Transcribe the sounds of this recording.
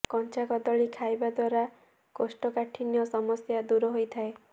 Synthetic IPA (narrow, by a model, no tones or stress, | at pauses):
kɔnt͡ʃakɔd̪ɔɭikʰajbad̪waɾa | kosʈɔkaʈʰinjɔsɔmɔsjad̪uɾɔɦojt̪ʰae